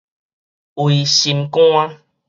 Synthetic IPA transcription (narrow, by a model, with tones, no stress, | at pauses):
wi˨ɕi˧mkũ˦a˦